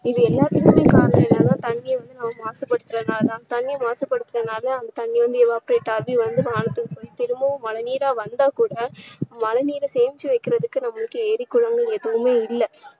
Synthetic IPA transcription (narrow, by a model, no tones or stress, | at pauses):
ɪðɯɛlːaːt̪ːɪkɯmeːkaːɾɐnɐ̃ɛnːɐlãːt̪ɐɳːɪjɐʋɐnd̪ɯnɐmɐmaːsɐpːɐɽɯt̪ːɯɾɐðnaːlt̪ãːnɐt̪ɐnːɪjmaːsɐpːɐɽɯt̪ːɾɐnaːlɐːnd̪ɐt̪ɐnːɪʋɐnd̪ɯɛʋaːpɾeːʈːaːbiʋɐnd̪ɯʋaːɳɐt̪ːɯkɯpoːjit̪ɪɾɯmbɐmɐlɐniːɾaːʋɐnd̪aːkuːɽɐmɐlɐniːɾɐseːʋɪt͡ʃːiʋɐɪkːɪɾɐðɯkːɯnɐmːɐɭɯkːɯeːɾɪkːʊɻɐŋɡɐɭɛðɐʋɯmeːɪlːɐ